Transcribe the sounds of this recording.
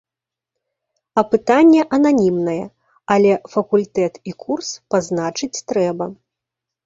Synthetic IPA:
ɐpɨt̪anʲːɛʔɐnanʲimnɐjɛ̰ | ɐlʲɛfɐkulʲt̪ɛt̪ikʰurspaznat͡ʂɨt͡sʲt̪ɾɛbɐ

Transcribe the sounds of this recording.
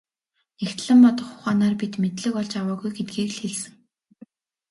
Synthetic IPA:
next̪ɮɘ̆mpɔt̪ɞ̆χʊ̥χaːnaːrpit̪met̪ɮɘ̆kɔɮt͡ɕawaːɣujɡet̪̚ɡiːkɮxeɮsɘ̆ŋ

